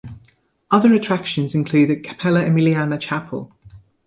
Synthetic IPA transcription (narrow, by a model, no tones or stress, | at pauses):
ʌðəɹətʰɹ̥akʃə̃nzɪ̃nkʰl̥ʉːdə̥kʰə̥pʰɛləɪmiliaːnət͡ʃʰapʰə̰lˠ